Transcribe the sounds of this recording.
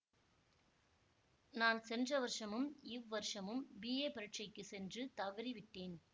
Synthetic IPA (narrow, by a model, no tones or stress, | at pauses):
naːnsɛndrɐʋɐɾʂɐmɯmɪʋːɐɾʂɐmɯmbiːeːpɪɾɐʈ̚t͡ʃɐɪkːɯsɛndrɯt̪ɐʋɪɾiʋɪʈːeːn